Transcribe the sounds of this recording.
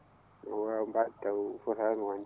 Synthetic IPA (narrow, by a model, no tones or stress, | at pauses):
ŋawambatawfuɾaŋwan